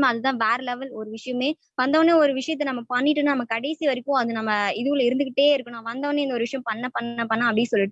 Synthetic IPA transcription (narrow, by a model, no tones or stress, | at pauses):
maɐðɯt̪ãːʋeːɾlɛʋɐlɔɾɯʋɪʂɐjɐmeː | ʋɐnd̪ɐʋɐnːeːɔɾɯʋɪʂɐjɐt̪̬ːɐnɐmːɐpɐɳːɪʈːɯnːanɐmːɐkɐɽɛɪsiʋɐɾɪkːʊ̃ɐðɯnɐmːɐɪðɯkːɐɭːɐɪɾɯnd̪ɯkːɪʈːeːɪɾɯkːɐɳõʋɐnd̪ɐːʋɐnːeːɪnd̪ɔɾɯʋɪʂɐjɐ̃mpɐɳːɐpɐnːɐpːɐɳːãːɐpːɽɪsɔlːɪʈːɯ